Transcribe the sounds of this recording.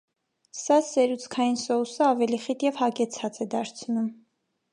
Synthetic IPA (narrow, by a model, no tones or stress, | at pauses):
sɑsɛɾut͡sʰkʰɑjinsɔusəɑvɛliχit̪jɛvhɑkɛt͡sʰɑt͡sɛd̪ɑɾt͡sʰnum